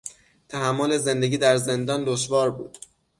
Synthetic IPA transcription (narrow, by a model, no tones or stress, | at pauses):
t̪ʰæhæmːole̞ze̞nd̪e̞ɡʲiːd̪æɾze̞nd̪ɒːnd̪oʃvɒːɾbuːd̪̥